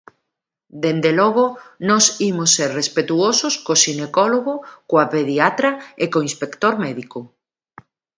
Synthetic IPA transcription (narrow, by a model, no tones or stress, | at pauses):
d̪end̪elɔɣ̞onɔsimosːeɾrespet̪uososkosinekɔloɣokoapeðiat̪ɾaekoĩnspekt̪oɾmɛðiko